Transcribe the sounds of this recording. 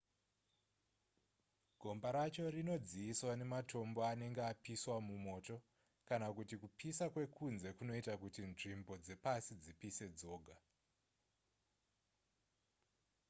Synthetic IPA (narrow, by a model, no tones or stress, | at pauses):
ɡʱo̞mbaɾat͡ʃo̞rino̞d͡ziiswane̞matʰo̞mbo̞ane̞ŋɡeapiswamumo̞ːto̞ | kanakutikupʰisakwe̞kʰunze̞kuno̞itakutinʐimbo̞d͡ze̞pasid͡zipise̞d͡zo̞ːɡʱa